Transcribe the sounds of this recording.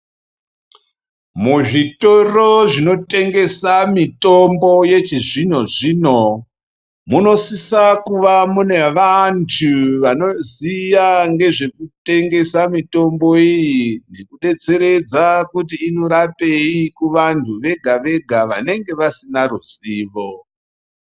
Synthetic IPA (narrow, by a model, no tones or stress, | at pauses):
muʐito̞ro̞ʐino̞te̞ŋɡe̞samitombo̞je̞t͡ʃiʐino̞ʐiːno̞ | muno̞sisakuʋamune̞ʋantʰuʋano̞zijaŋɡe̞ʐe̞kute̞ŋɡe̞samito̞mbo̞ijine̞kuɗe̞t͡se̞ɾe̞d͡zakutiːno̞ɾape̞ikuʋantʰuʋe̞ɡʱaʋe̞ɡʱaʋa̰ne̞ŋɡe̞ʋasinaɾuziːʋo